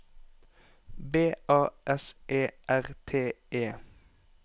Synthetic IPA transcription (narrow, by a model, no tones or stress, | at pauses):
beːʔɑːʔɛsʔeːʔæʁt̪ʰeːʔeː